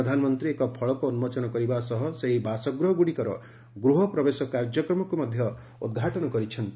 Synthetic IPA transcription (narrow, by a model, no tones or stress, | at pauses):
d̪ʱanmɔnt̪ɾiekɔpʰɔɭɔkuːnumɔt͡ʃɔnɔkɔɾibasɔɦɔseɦibasɔɡɾuɦɔɡuɽikɔɾɔ̰ | ɡɾuɦɔpɾɔbesɔkaɾd͡ʒɔkɾɔmɔkumɔd̪ʱjɔ | ud̪̚ɡʱaʈɔnɔkɔɾit͡ʃʰɔnt̪i